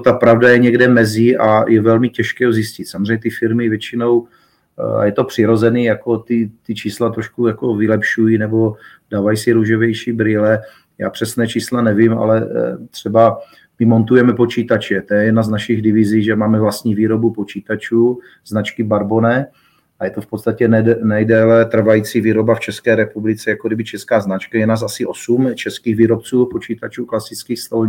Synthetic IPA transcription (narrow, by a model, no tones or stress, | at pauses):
t̪apɾavdajɛɲɛɡdɛmɛzɪʔajɛvɛlmɪcɛʃkɛːozɪscɪt̪samozrɛɲːɛt̪ɪfɪɾmɪvjɛt͡ʃɪno̞w | a̰jɛt̪o̞pr̥ɪɾo̞zɛniːjako̞t̪ɪt̪ɪt͡ʃiːslat̪ɾoʃkujako̞vɪlɛpʃujiːnɛbo̞ | daːvajisɪɾuʒovjɛjʃiːbɾɪlɛ | ja̰ːpr̥ɛsnɛːt͡ʃiːslanɛvɪmʔa̰lɛt̪r̝̥ɛba | mɪmo̞nt̪ujɛmɛpo̞t͡ʃiːt̪at͡ʃɛt̪ojɛjɛdnaznaʃɪɣdɪvɪziːʒɛmaːmɛvlast̪ɲiːviːɾo̞bupo̞t͡ʃiːt̪at͡ʃuː | znat͡ʃkɪbaɾbonɛ | ʔajɛt̪ofpo̞t̪st̪acɛnɛnɛjdɛːlɛt̪r̩vajit͡siviːɾo̞baft͡ʃɛskɛːɾɛpublɪt͡sɛjakodɪbɪt͡ʃɛskaːznat͡ʃkajɛdnas̬asɪʔo̞sumt͡ʃɛskiːɣviːɾopt͡suːpo̞t͡ʃiːt̪at͡ʃuːklasɪt͡skiːxst̪olɲ